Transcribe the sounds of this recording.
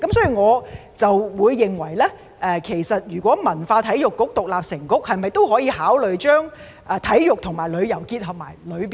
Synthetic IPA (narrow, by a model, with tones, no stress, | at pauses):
kɐ˨˦msɔː˨˥i˨˧ŋɔː˨˧t͡sɐ˨wwuː˨˧jːɪ˨˩ŋwɐ˨˩jlɛː˥ | ʔɛː˨˧kʰe˨˩jsɐ˨t̚jyː˨˩kʷɔː˨˥mɐ˨˩nfaː˧t̪ʰɐ˨˥jjʊ˨kːʊ˥k̚t̪ʊ˨k̚laː˨p̚sɪ˨˩ŋkʊ˥k̚hɐ˨jmɐ˨jt̪o˥wɦɔː˨˥jiː˧haː˨˥wlɵ˨ɥt͡ʃœː˥ŋ | ʔɛː˧˩t̪ʰɐ˨˥jːʊ˨k̚t̪ʰʊ˨˩ŋmaː˨˩jlɵ˨˧ɥjɐ˨˩wkiː˧t̚hɐ˨p̚ma̰ː˨˩jlɵ˨˧ɥi˨